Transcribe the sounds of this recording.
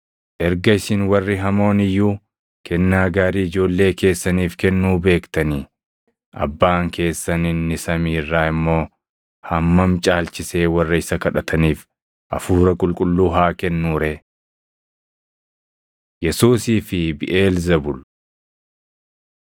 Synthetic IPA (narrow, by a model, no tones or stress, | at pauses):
ʔɛɾɡɐɪsɪnwɐrːɪɦɐmo̞ːnɪjːuː | kɛnːaːɡaːɾiːɪd͡ʒo̞ːlːe̞ːke̞ːsːɐniːfkɛnːuːbe̞ːkt̪ɐniː | ʔɐ̰bːaːŋke̞ːsːɐnɪnːɪsɐmiːrːaːɪmːo̞ː | hɐmːɐmt͡ʃʼaːlt͡ʃɪse̞ːwɐrːɐɪsɐkɐᶑɐt̪ʰɐniːf | ʔɐ̰fuːɾɐkʼʊlkʼʊlːuːɦaːkɛnːuːɾeː | jɛsuːsiːfɪbɪʔe̞ːlzɐbʊl